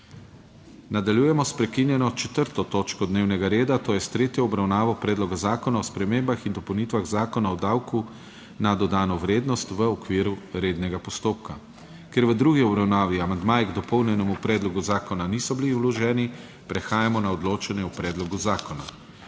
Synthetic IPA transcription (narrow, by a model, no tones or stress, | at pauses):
nad̪aljuːjɛmɔspɾɛkinjɛnɔt͡ʃɛt̪əɾt̪ɔt̪oːt͡ʃkɔd̪neːwnɛɡaɾeːd̪at̪oːjɛst̪ɾeːt̪jɔɔbɾawnaːʋɔpɾɛːd̪lɔɡazaːkɔnaɔspɾɛmembaxind̪ɔpɔwnit̪ʋaɣzaːkɔnaɔd̪aːwku | nad̪ɔd̪aːnɔʋɾeːd̪nɔst̪ʋəɔkʋiːɾuɾeːd̪nɛɡapɔst̪oːp̚ka | keɾʋəd̪ɾuɡiɔbɾawnaːʋiamand̪maːjɛɡd̪ɔpɔwnjɛnɛmupɾɛːd̪lɔɡuzaːkɔnanisɔbiliulɔʒɛːni | pɾɛxaːjamɔnaɔd̪loːt͡ʃɛnjɛupɾɛːd̪lɔɡuzaːkɔna̰